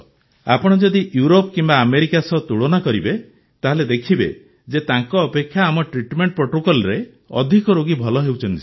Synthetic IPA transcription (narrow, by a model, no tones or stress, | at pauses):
a̰pɔɽ̃ɔd͡ʒɔd̪iʔjuɾopkimbaːmeɾikasɔt̪uɭonakɔɾibe | t̪aɦɔled̪ekʰibḛ | d͡ʒet̪aŋkɔːpekʰːjaːmɔʈɾiʈmeɳʈ̚pɾoʈokɔlɾe | ɔ̰d̪ʱikɔɾoɡibʱɔlɔɦewt͡ʃʰɔnt̪is